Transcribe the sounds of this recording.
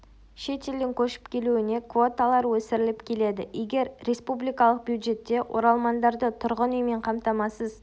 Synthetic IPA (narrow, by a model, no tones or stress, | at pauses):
ʃe̞t̪e̞ld̪ɪŋkʲʰɵʃɪ̥pkʲʰe̞luɪne̞kvo̞t̪alˠɑɾwɵsɪɾɪlɪpkʲʰe̞le̞d̪ɪʔeɡʲe̞ɾːe̞spublijkɑlˠəq̚bjuwd̪ʒe̞t̪ːe̞wʔo̞ɾɑlˠmɑnd̪ɑɾd̪ət̪ʰʊɾʁənujme̞ɴqʰɑmt̪ɑmɑsəz